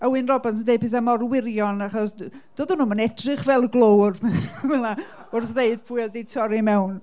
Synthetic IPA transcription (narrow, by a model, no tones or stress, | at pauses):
əwɨnrɔbansəndejd̚pɨθamɔrwɪɾjɔnaχɔsd̥oːðənuːmənɛtrɨχvɛlˠɡlˠowrvɛlaʊrθðeɨd̥pʰʊɨɔdejtʰɔɾimɛwn